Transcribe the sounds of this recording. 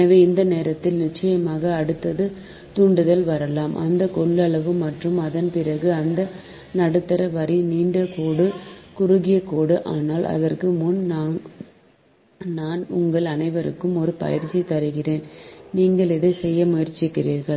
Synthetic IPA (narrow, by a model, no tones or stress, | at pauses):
ɛnɐʋeːɪnd̪ɐneːɾɐt̪ːɪlnɪt͡ʃːɐjɐmaːɣɐːɽɯt̪ːɐðɯ | t̪ʊɳɖɯðɐlʋɐɾɐlaːmʔɐ̰nd̪ɐkɔɭːɐɭɐʋɯmɐʈrɯmɐðɐnpɪrɐɣɯɐnd̪ɐ | nɐɽɯt̪ːɐɾɐʋɐɾiniːɳɖɐkoːɽɯkʊɾʊɣɪjɐkoːɽɯʔaːnaːlʔɐ̰ðɐrkɯmʊnnaːŋ | naːnʊŋɡɐɭɐnɐɪʋɐɾɯ̰kːɯmɔɾɯpɐ̰jɪɾt͡ʃːit̪ːɐɾɯɣɪreːnniːŋɡɐɭɛðɯsɛjːɐmʊjɐɾt͡ʃɪkːɪriːɾɣɐɭ